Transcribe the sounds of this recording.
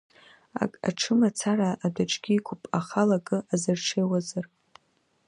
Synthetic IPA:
a̰kʼa̰ʈ͡ʂʰɨmat͡sʰaɾaʔːdaʈ͡ʂʼɡ̥ʲiːkʷʰʊpʼaχalaɡʼɨazɨrʈ͡ʂʰejwazɨr

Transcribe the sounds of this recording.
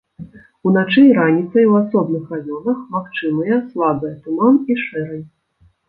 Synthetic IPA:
unat͡ʂɨɾanʲit̪sɐjuwasɔbnɨxravʲɔnɐxmakt͡ʂɨmɨjɐslˠabɨjɛt̪umaniʂɛɾɐj

